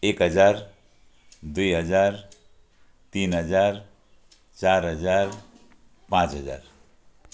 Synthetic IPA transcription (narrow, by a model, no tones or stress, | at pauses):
ekɦəd͡ʒaɾ | d̪ujɦəd͡ʒaɾ | t̪inɦəd͡ʒaɾ | t͡ʃaɾɦəd͡ʒaɾ | pãt͡ʃɦəd͡ʒa̰ɾ